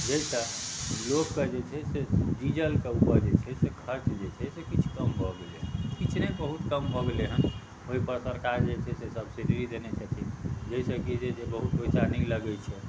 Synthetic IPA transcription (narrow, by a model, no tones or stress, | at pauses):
d͡ʒəisəlokːed͡ʒet͡ʃʰɛsed͡ʒid͡ʒəlkeupəɾd͡ʒet͡ʃʰɛsekʰəɾt͡ʃd͡ʒet͡ʃʰɛsekit͡ʃʰkəmbʱɔɡelekit͡ʃʰnebəɦut̪kəmbʱɔɡeleɦən | ɦoipəɾsəɾkaɾd͡ʒet͡ʃʰɛsesəbsiɖiɾid̪enet͡ʃʰət̪ʰid͡ʒəisəkid͡ʒesebəɦut̪̚poisaɾniləɡɛt͡ʃʰɛ